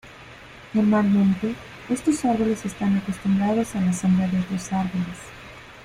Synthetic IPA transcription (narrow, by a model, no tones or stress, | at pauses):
noɾmalmẽnt̪e | est̪osaɾβolesest̪anakost̪umbɾaðosalasambleaðeot̪ɾosaɾβoles